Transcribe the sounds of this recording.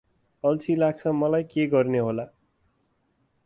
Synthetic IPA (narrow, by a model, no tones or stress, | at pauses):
ʌlt͡sʰilaɡ̚t͡sʰʌmʌlajkeɡʌrneɦola